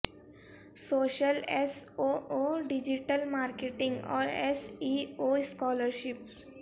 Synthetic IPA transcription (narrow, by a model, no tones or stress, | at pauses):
soːʃəlesooːɖɪd͡ʒiʈəlmaːɾkeʈɪ̃ŋɡɔ̰ːɾḛsioskɔːləɾʃɪp